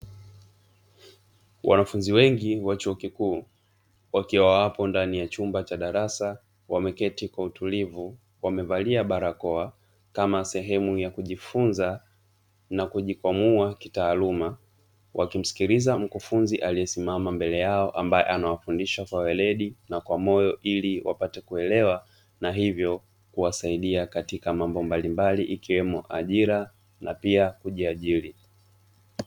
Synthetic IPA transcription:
wʔa̰nafunziwɛŋɡiwat͡ʃuɔkikuː | wakiwawapɔndanijat͡ʃumbat͡ʃaɗaɾasa | wamɛkɛtikwautulivu | wamɛvaliaɓaɾakɔa | kamasɛɦɛmujakuʄifunza | nakuʄikwamuakitaːluma | wʔakim̩si̥kiɾizam̩kufunziʔaliɛsimamambɛlɛjaɔʔambajɛ̰ʔanawafundiʃakwawɛlɛɗinakwamɔjɔʔiliwʔa̰patɛkuɛlɛwa | naɦivjɔ | kuwasaiɗiakatikamambɔmbalimbaliʔikiwɛmɔʔaʄiɾa | napiakuʄiaʄiɾi

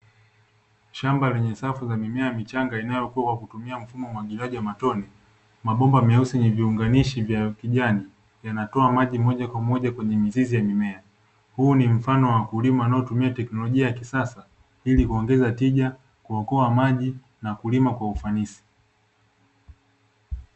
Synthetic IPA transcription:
ʃambalɛɲɛsafuzamimɛamit͡ʃaŋɡainajɔkuwawakutumiam̩fumɔmwaɠiliaʄiwamatɔni | maɓɔmbamɛusɛɲɛviuŋɡaniʃivjakiʄani | janatɔamaʄimɔʄakwamɔʄakwɛɲɛmizizijamimɛa | huːnim̩fanɔwakulimaanajɔtumiatɛknɔlɔʄiajakisasa | ilikuɔŋɡɛzatiʄa | kuakɔamaʄi | nakulimakwaufanisi̥

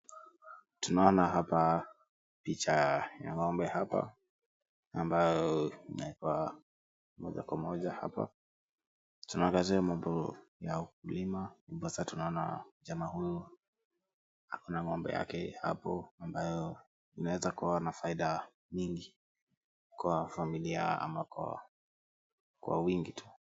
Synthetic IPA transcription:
tunaɔnaɦapa | pit͡ʃaja̰ŋɔmbɛhapa̰ | ambajɔinaikwa | mɔʄa̰kwamɔʄaha̰pa̰ | tunaɔŋɡaziamambɔjaukulimauɓasatunaɔna̰ʄamahujɔ | ha̰kunaŋɔmbɛ̰ja̰kɛha̰pɔambajɔ | inawɛzakuwanafaiɗa | ɲiŋɡi | kwafamilia̰a̰makwa̰ | kwa̰wiŋɡitʰu̥

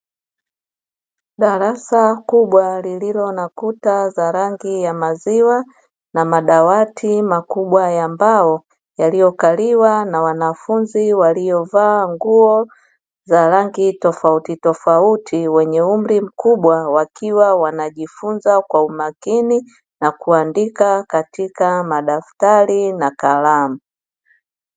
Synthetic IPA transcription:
ɗaɾasakuɓwalililɔnakutazaɾaŋɡijamaziwa | namaɗawatʰimakuɓwajambaɔ | jalijɔkaliwanawanafunziwalijɔvaːŋɡuɔ | zaɾaŋɡitɔfautitɔfautʰiwɛɲɛum̩ɾim̩kuɓwawakiwawanaʄifunzakwaumakini | nakuandikakatikamaɗaftaɾinakalamu

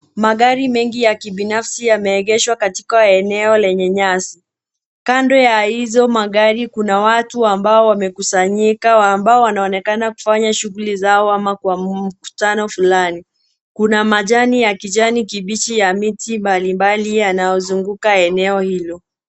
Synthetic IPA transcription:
maɠaɾimɛŋɡijakiɓinafsijamɛːɠɛʃwakati̥kaɛnɛɔlɛɲɛɲasi | kandɔjahizɔmaɠaɾikunawatuambaɔwamɛkusaɲikawambaɔwanaɔnɛkanaku̥faɲaʃuɣulizaɔamakwam̩ku̥tanɔfulani | kunamaʄanijakiʄanikiɓit͡ʃijamitimbalimbalijanajɔzuŋɡukaɛnɛɔhilɔ

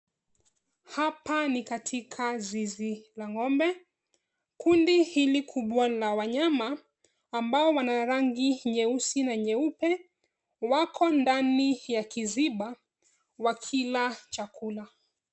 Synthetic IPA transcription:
hapanikatʰikʰazizilaŋɔmbɛ | kundihilikʰuɓwalawaɲamaː | mbaɔwanaɾaŋɡiɲɛusinaɲɛupɛ | wakʰɔndanijakiziɓa | wakʰilat͡ʃakʰula

